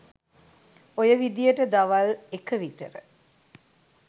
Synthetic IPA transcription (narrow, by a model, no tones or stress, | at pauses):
ojəʋid̪ijəʈəd̪aʋalekəʋit̪əɾə̰